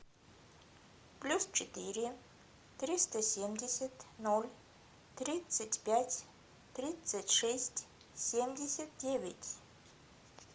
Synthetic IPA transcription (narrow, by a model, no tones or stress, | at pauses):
plʲust͡ɕɪt̪ɨɾʲɪ | t̪ɾʲist̪əsʲemdʲɪsʲət̪nolʲ | t̪rʲit̪sɨtʲpʲatʲ | t̪ɾʲit̪sɨtʲʂɛsʲtʲ | sʲemdʲɪsʲət̪̚dʲevʲɪtʲ